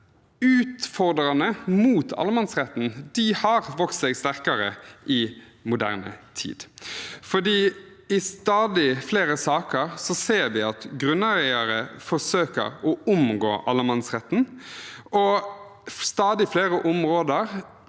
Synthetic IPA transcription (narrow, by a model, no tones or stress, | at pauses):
ʉːt̪fɔʁd̪ɾɑnəmuːt̪ʰɑ̰ləmɑnsʁɛt̪n̩d̪̥ɪhɑʁʋɔkt̪sɛɡst̪æʁkɑɾəʔɪ | mʊd̪æ̰ːʁnə̰t̪ʰḭːd̪fɔdiː | ɪst̪ɑːd̪ɪfleːɾəsɑːkəɾsɔseːɾʋɪɑt̪ɡɾʉnːæɾæɪəɾəfɔʂøːkə̰ɾɔʊmɡo̰ːʔɑ̰lːəmɑnsʁɛt̪ːn̩ | ɔ | st̪ɑːd̪ɪfleːɾəʔʊmʁoːd̪əʁ